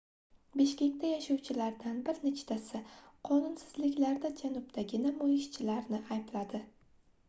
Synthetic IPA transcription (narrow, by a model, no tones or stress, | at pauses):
beʃkʲe̞kʲt̪ʰajaʃawt͡ʃʰɪlaɾd̪anbɪɾnet͡ʃʰt̪ʰasɪqʰɒnʊnsɪzlɪkʲlaɾd̪ad͡ʒanʊbd̪ʰaɡʲɪnamojɪʃt͡ʃʰɪlaɾnɪʔajblad̪ɪ